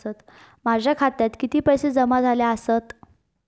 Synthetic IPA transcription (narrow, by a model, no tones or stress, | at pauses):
ət̪ | mad͡ʑʱjakʰat̪jat̪kit̪iːpəjsed͡zəmad͡zʱaljaəsət̪